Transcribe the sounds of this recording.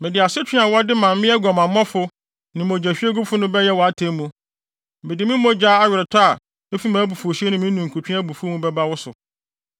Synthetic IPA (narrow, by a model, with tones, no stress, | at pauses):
mɪ̃˨dɪ˨a˨sʊ˦t͡ɕʰᶣɪ̃˦a˨wɔ˦dɪ˦mã˨mː˦ɪ̃˦ɛ˦ɡɔ˨mã˨m˦ɔ̃˦fʊ˦ | nɪ̃˨m˨o˨d͡ʑæ˨ɕᶣi˦e˦ɡʊ˦bfʊ˦nʊ̃˦bɛ˦jɛ˦wɔ˨a˦tʰẽ˦mũ˨ | mɪ̃˨dɪ˨mɪ̃˦mõ˦d͡ʑa˦a˦ɥᶣɪ˨ɾɛ˨tʰa˦a˨ | mɪ˦fi˦mãː˨˦bu˨fo˨ɕi˦e˦nɪ̃˨mɪ̃˦nũ˨ŋ̩˨kʰu˨tʰᶣĩ˦a˦bu˨fu˦mũ˦bɛ˦ba˦wʊ˦sʊ˨